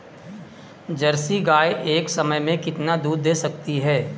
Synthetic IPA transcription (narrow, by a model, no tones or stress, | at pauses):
d͡ʒɐɾsiɡaːjeːksɐməjmẽkɪt̪nad̪uːd̪ːeːsɐk̚t̪iɦɛː